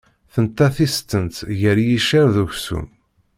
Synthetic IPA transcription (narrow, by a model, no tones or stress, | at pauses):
θənt̪ːæθist̪ənt̪ʝəɾjiʃæɾðuçsṵm